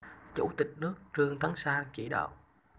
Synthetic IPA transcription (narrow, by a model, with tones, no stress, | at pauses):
t͡ɕu˧˩t̪ï˨˩k̟̚nɨ˦˥ək̚t͡ɕɨ˧əŋt̪ʰa˨˦ŋsaː˧ŋt͡ɕi˧˩ɗə̰˧˨w